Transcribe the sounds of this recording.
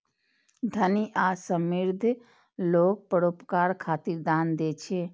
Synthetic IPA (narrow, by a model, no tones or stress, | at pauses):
d̪ʱəniʔasəmiɾd̪ʱ | loːk̚pəɽopkaɾkʰaːt̪iɾd̪aːnd̪et͡ʃʰe